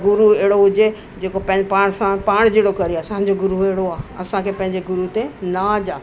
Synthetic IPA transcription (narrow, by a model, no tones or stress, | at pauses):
ɡʊɾuɛɦɪɽoɦʊd͡ʑe | d͡ʑeːkopɐ̃ɦɪ̃paːɽ̃sãpaːɽ̃d͡ʑeːɽokɐɾijsãɲ̆d͡ʑoɡʊɾueɦɪɽoaːɐ̰sãkʰepɐ̃ɦɪ̃ɲd͡ʑeɡʊɾut̪enad͡ʑaː